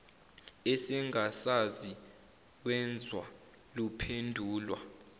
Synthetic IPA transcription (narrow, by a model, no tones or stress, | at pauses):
ɛsɛŋasazi | wɛnd͡zʱwa | lupʰendʱuːlwa